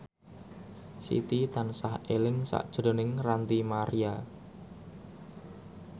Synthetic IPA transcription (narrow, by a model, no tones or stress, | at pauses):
sḭt̪it̪ansahelɪŋsa̰ʔd̥ʒ̥ɾo̤nɪŋrant̪imaɾia